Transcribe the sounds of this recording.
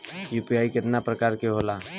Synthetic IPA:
juːpiaːikɪt̪napɾəkaːɾkeɦoːlaː

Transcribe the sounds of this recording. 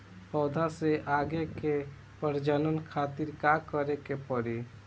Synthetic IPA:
pɔd̪ʱaseʔaɡeke | pəɾd͡ʒənənkʰat̪iɾkakəɾekepəɾi

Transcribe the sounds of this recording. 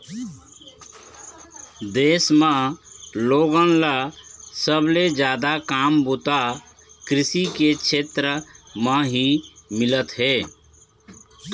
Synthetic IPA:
d̪eːsmə̃loːɡənlasəbled͡ʒjaːd̪akaːmbut̪a | kɾɪsiket͡ʃʰeːt̪ɾəmə̃ɦimɪlət̪ɦeː

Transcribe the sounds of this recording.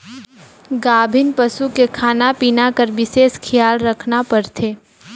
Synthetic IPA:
ɡaːbʱɪnpəsukekʰaːnapiːnakəɾʋɪseːskʰɪjaːlɾɐkʰnapɐɾt̪ʰeː

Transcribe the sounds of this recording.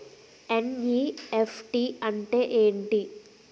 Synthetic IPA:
eniefʈiɐɳʈeʔeːɳɖi

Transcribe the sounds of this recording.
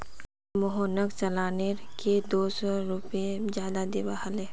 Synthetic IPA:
mʊɦoːnəkt͡ʃɐlaːneɾked̪oːsɔɾʊpẽd͡ʒjaːd̪ad̪ebaɦəleː

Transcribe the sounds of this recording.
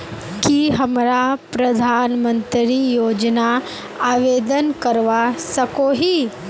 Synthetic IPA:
kiɦɐmɾapɾɐd̪ʱaːnmə̃nt̪ɾijoːd͡ʒna | aːʋeːd̪ənkəɾʋasəkoɦi

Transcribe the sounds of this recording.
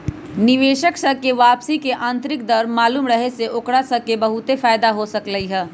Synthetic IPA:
nɪʋeːʃəksəkeʋaːpsikeʔãːnt̪ɾɪk̚d̪ɐɾmaːluːmɾɐɦeseʔokɽasɐkebɐɦʊt̪efaːɪd̪aɦosɐkləiɦɛː

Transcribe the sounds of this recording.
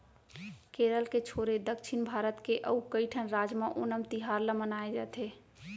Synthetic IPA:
keɾəlket͡ʃʰoɾed̪əkt͡ʃʰinbʱaɾət̪keʔəukəɪʈʰənɾad͡ʒmeʔonəmt̪iɦaɾləmənaed͡ʒat̪ʰe

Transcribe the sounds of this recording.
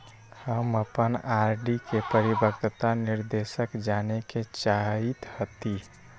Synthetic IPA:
həməpənaɾɖikepəɾibəkt̪ət̪aniɾd̪esəkd͡ʒaneket͡ʃait̪hət̪i

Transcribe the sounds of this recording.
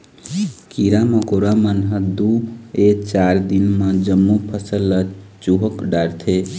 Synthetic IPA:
kiɾaməkoɾamənɦəd̪uet͡ʃaɾd̪inmẽd͡ʒəmːupʰəsəlːət͡ʃuɦəkɖaɾt̪ʰe

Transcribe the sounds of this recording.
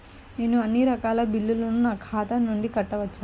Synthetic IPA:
neːnuɐnːiɾɐkaːlɐbilːulɐnunaːkʰaːt̪ɐmnːuɳɖikɐʈːɐʋɐt͡ʃːaː

